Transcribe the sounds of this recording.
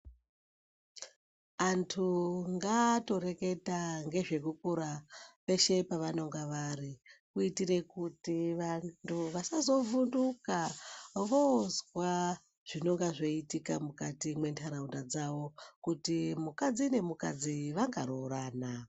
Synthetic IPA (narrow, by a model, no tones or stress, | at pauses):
antʰuŋɡato̞ɾe̞ke̞taŋɡe̞ʐe̞kukuɾape̞ʃe̞paʋano̞ŋɡaʋarikuitire̞kutiʋantuʋasazo̞vundukaʋozwa | ʐ̥ino̞ŋɡaʐo̞itikamukatimwe̞ntʰaɾaundad͡zaʋo̞kutimukad͡zine̞mukad͡ziʋaŋɡaɾoraːna